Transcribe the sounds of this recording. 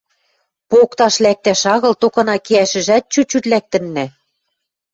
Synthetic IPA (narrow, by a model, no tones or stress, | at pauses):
pokt̪ɑʃlæk̚t̪æʃɑɣɤ̆lt̪okɤ̆nɑkiæʃɘ̆ʒæt̪̚t͡ɕut͡ɕyt̪læk̚t̪ɘ̆nːæ